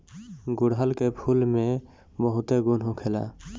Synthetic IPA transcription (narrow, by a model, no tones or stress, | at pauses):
ɡuɽɦəlkepʰulme | bəɦʊt̪eɡunɦũkʰela̰